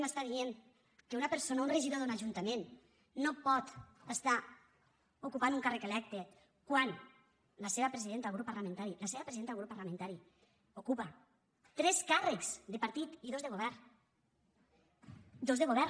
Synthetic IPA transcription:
məst̪aðieŋ | keunapeɾsonaunreʒiðoðunaʒunt̪amẽnː | opɔt̪əst̪a | okupanuŋkarekelɛk̚t̪e | kwan | laseβapɾeziðent̪aɣɾupːaɾlamẽnt̪aɾilaseβɐpɾeziðent̪alɣɾupːaɾlamẽnt̪aɾi | okupa | t̪ɾɛskarekz̥d̪epaɾt̪it̪iðozðeɣoβɛɾn | d̪ozðeɣoβɛɾ

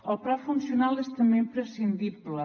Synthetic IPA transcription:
əlˠpɾafunsjunalˠest̪əmempɾəsind̪iβlə

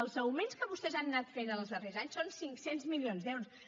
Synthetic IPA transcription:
əlˠzəwmẽnskəβust̪ɛzannat̪fenəlˠzðərezaɲsonsiŋksenzmilionzðɛwɾus

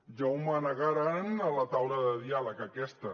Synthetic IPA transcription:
ʒawmanəɣaɾanələt̪awlaðəðialəkakɛst̪ə

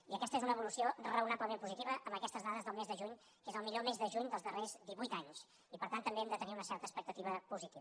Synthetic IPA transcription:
iəkɛst̪əezunəβulusiorəunapləmempuzit̪iβəʔəmbəkɛst̪əzðaðəzðəlˠmezðəʒuɲ | kezəlˠmiʎomezðəʒuɲd̪əlˠzðərezd̪iβujt̪aɲs | ipəɾt̪ant̪ːəmbeɛmd̪ət̪əniunəsɛɾt̪əspək̚t̪ət̪iβ̞əpuzit̪iβ

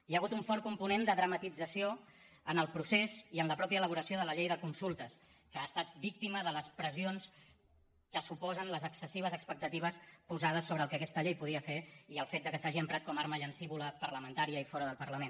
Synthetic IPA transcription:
jaɣut̪uɱfɔɾkumpunend̪əðɾəmət̪id͡zəsio | ənəlˠpɾuseziənləpɾɔpjəːləβuɾəsioðələʎejðəkunsulˠt̪əs | kəast̪at̪̚bik̚t̪iməðələspɾəzions | kəsupɔzənləzəksəsiβ̞əzəkspək̚t̪ət̪iβ̞əspuzað̞əsːoβɾəːlˠkəkɛst̪əʎejpuðiəfeiəlˠfet̪̚d̪əkəsaʒiəmpɾat̪̚kɔmaɾməʎənsiβuləpəɾləmənt̪aɾiəifɔɾəðəlˠpəɾləmen

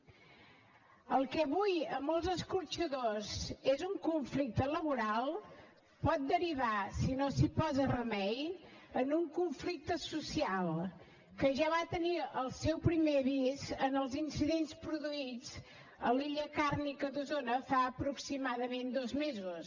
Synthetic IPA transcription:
əlˠkɛβujəmɔlˠzəskuɾt͡ʃəðozezuŋkuɱflik̚t̪ələβuɾalˠ | pɔt̪̚d̪əɾiβasinosipɔzərəmɛj | ənuŋkuɱflik̚t̪əsusialˠ | kəʒaβat̪əniəlˠsɛwpɾimeβizənəlˠzinsiðenspɾuðuid͡z | əliʎəkarnikəðuzonəfaəpɾuksimaðəmend̪ɔzmezus

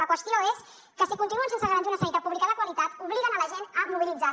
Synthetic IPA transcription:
ləkwəst̪ioes | kəsikunt̪inuənsensəɣɾanzunəsəit̪əpuβlikəðəkwəlit̪at̪uβliɣənələʒenəmuβilid͡za

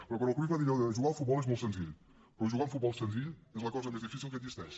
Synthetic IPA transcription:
pɾɔkwɐ̃nkɾivaðiʎɔʒuɣaufut̪βɔlˠezmolˠsẽnziʎ | pɾɔʒuɣaũfut̪̚βɔlˠsẽnziʎezlˠɐkɔzɐmezðifisilˠkɐd̪ziʃt̪ɛʃ

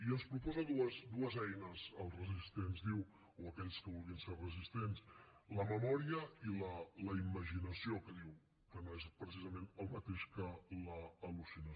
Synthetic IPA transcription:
iənspɾupɔzəðuəzd̪uəzɛjnəzəlˠrəzist̪enzðiw | oəkɛʎskəβulˠiənserəzist̪ensləməmɔɾiəilələiməʒinəsiokəðiw | kənezpɾəs̬izəmenəlˠmət̪eʃkələːlusinə

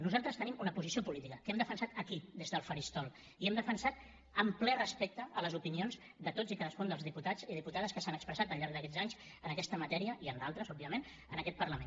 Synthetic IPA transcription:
nuzalˠt̪ɾəst̪ənimunəpuzisiopulit̪ikəkɛmd̪əfənsat̪əkid̪ezðəlˠfəɾist̪ɔlˠ | iɛmd̪əfənsat̪̚ | əmplɛrəspek̚t̪əələzupinionz | d̪ət̪od͡zikaðəskund̪əlˠzðiput̪aziðiput̪aðəskəsanəkspɾəsat̪əʎːaɾɡðəkɛd͡zaɲz | ənəkɛst̪əmət̪ɛɾiəʔiənd̪alˠt̪ɾəzɔb̚biəmẽn | ənəkɛt̪̚pərləmen

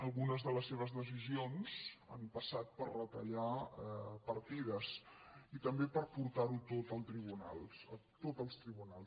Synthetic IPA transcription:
əlˠɣunəzðələsːeβ̞əzðəs̬izionza̰mpəsat̪̚pərrət̪əʎa | pəɾt̪iðəsit̪əmbepəɾpuɾt̪aɾut̪ot̪əlˠt̪ɾiβuna̰lˠət̪ot̪əlˠst̪ɾiβunalˠs

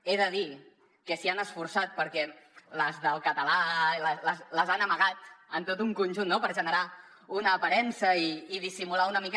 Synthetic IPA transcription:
eðəði | kəsianəsfuɾsat̪̚pəɾkɛləzðəlˠkət̪əlalələsləzanəməɣat̪ənt̪ot̪uŋkunʲʒunːopəɾʒənəɾa | unəːpəɾɛnsəiːðisimulaunəmik

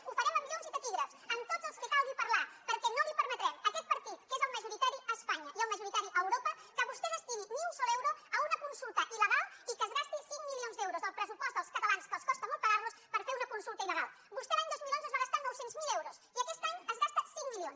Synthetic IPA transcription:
ufəɾɛməmiljonzipət̪iɣɾəsənt̪od̪z̥əlˠskəkalˠɣipəɾlapəɾkɛnolipəɾmət̪ɾɛməkɛt̪̚pəɾt̪it̪kezəlˠməʒuɾit̪aɾiʔəspaɲəʔiɛwməʒuɾit̪aɾiʔəwɾopəkəβust̪eɣəst̪iɣimilˠsɔlɛwɾoəunəkunsulˠt̪əʔiləɣalˠikəːzɣast̪isiŋmilionzd̪ewɾouzðəlˠpɾəsupɔst̪d̪əlˠskət̪əlanskəskɔst̪əmɔlˠt̪pɐɣaɾluspəɾfeɾunəkunsulˠt̪ɐiləɣalˠ | bust̪ɛlaɲd̪ozmilˠonzəzβaɣast̪anɔwsenzmilɛwɾosiəkɛst̪aɲəzɣast̪əsiŋmilion

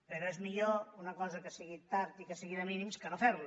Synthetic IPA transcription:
peɾoezmiʎounɐkɔzɐkəsiɣit̪aɾt̪ikəsiɣiɾaminimskənofɛɾlu

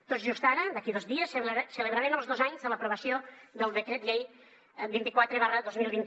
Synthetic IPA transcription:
t̪oʒust̪aɾəd̪əkiðozðiəssələβɾaɾenəlˠzðozaɲzələpɾuβəsiod̪əlˠd̪əkɾɛt̪ʎej | bint̪ikwat̪ɾeβarəðozmilˠβint̪

